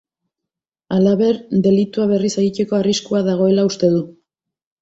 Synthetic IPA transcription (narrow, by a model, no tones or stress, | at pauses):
alaβe̞ɾd̪e̞lit̪uaβ̞e̞riseɣic̪e̞ko̞ariskuaðaɣ̞o̞e̞laust̪e̞ðu